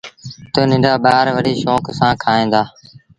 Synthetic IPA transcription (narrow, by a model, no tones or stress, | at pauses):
t̪oːnɪ̃ɳɖaːɓaːɾʋəɽiːʃoːksãːkʰaːẽːd̪aː